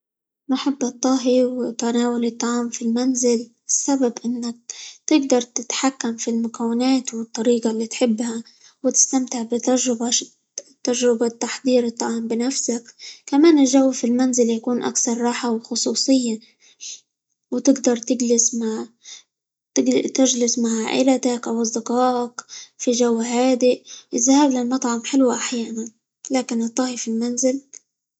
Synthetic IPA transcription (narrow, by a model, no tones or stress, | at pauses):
naħabːɨt̪ˤːɑːɦiwɪt̪anaːwalɪt̪ˤːɑʕɑːmfilmanzɪl | ɪsːababʔɪnːak̚t̪ɪɡd̪ɑɾˤt̪ɪt̪ħakːamfilmʊkawːɪnaːt̪wɪt̪ˤːɑɾiːqalːiːt̪ħɪbːha | wɪt̪ɪ̥st̪amt̪ɪʕbɪt̪aʒɾɪba | t̪ːaʒɾɪbat̪ːaħd̪ˤiːɾɨt̪ˤːɑʕɑːmbɪnafsakkamaːnɪlʒawːafilmanzɪljakuːnʔa̰kθɑɾˤːɑːħawxʊsˤuːsˤɨjːa | wɪt̪ɪɡd̪ɑɾˤt̪ɪɡlɪsma | ɪt̪ɪd͡ʒlɪsmaʕa̰ʔɪ̰lat̪akʔawɑzˤd̪ɪqɑːʔkfiʒawːahaːd̪ɪʔʔɪzahaːblalmɑt̪ˤʕɑmħɪlwaʔaħjaːnan | laːkɪnɨt̪ˤːɑːhifilmanzɪl